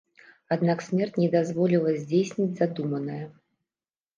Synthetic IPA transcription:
ad̪naksʲmʲɛrt͡sʲnʲɛd̪azvɔlʲilˠɐzʲd͡zʲejsʲnʲid͡zʲzad̪umɐnɐjɐ

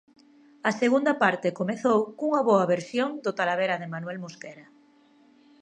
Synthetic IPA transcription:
ɐseɣund̪apaɾt̪ekomeθowkuŋaβoɐβ̞eɾsjoŋd̪ot̪alaβ̞eɾaðemanwɛlmoskɛɾa

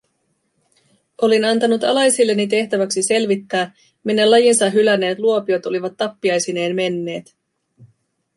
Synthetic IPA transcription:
o̞linɑnt̪ɑnut̪ɑ̰lɑjsilːe̞nːit̪e̞ht̪æʋæksise̞lʋit̪ːæː | minːelːɑjinsɑɦylæne̞ːt̪luo̞pio̞t̪o̞liʋɑt̪ːɑpːiɑjsine̞ːnme̞nːe̞ːt̪

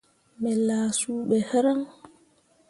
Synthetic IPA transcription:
mɛlaːsuːɓɛhɛɾam

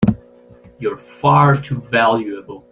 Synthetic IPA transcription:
jə˞fɑɹtʰuvælˠjuɨbl̩ˠ

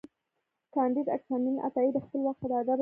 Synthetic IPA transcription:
kɑnd̪id̪a̰ksɑninʔa̰t̪ɑid̪əxpəlwaxt̪ad̪əad̪ab

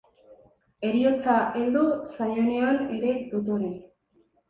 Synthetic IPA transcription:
e̞ɾio̞t͡saʔeld̪usajoneone̞ɾe̞d̪ot̪̬oɾe

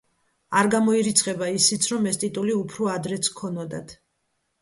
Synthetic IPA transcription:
aɾɡamɔiɾit̪sʰqʼɛbaisit̪sʰɾɔmɛst̪ʼit̪ʼuliupʰɾɔad̪ɾɛt̪sʰkʰɔnɔd̪a̰t̪ʰ

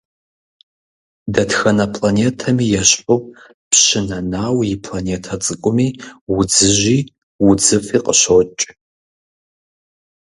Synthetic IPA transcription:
dɐtxɐnɐpʰlaneːtʰɐmiːjɛɕħʊ | pɕɪnɐnaːwjɪpʰlaneːtʰɐt͡sʼɨkʷʼʊmiːwʊd͡zɨʒiː | wʊd͡zɨfiːqʼəɕot͡ʃʼ

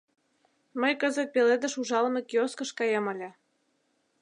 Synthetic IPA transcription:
məjkəzə̆t̪̚peled̪ə̆ʃuʒɑlmekjoskə̆ʃkɑjemə̆lʲĕ

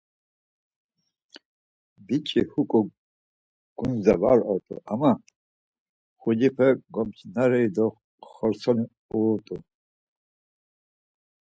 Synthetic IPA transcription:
bit͡ʃʼihukʼu | ɡ̥unzava̰ɾɔɾt̪ʼṵʔama | χud͡ʒipʰɛɡɔmt͡ʃʰnaɾɛjd̪ɔ | χɔɾsɔni | uːt̪ʼu

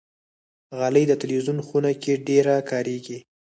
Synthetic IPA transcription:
ɣaləjd̪ət̪ɪlwizunxunakeɖeɾakɑɾeɡi

